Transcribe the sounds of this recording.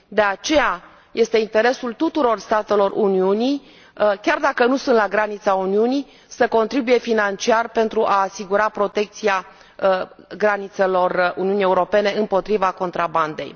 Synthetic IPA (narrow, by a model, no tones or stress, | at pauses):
d̪e̞at͡ʃe̞ja | jʔe̞st̪e̞int̪e̞ɾe̞sult̪ut̪uɾo̞rst̪at̪e̞lo̞rʔuniuni | kʲard̪akənusunt̪laɡɾanit̪sauniuni | səko̞nt̪ɾibuje̞finant͡ʃiarpe̞nt̪ɾuʔaːsiɡuɾapɾo̞t̪e̞k̚t̪sia | ɡɾanit̪se̞lo̞runiunije̞uɾo̞pe̞ne̞ɨmpo̞t̪ɾivako̞nt̪ɾaband̪e̞̰j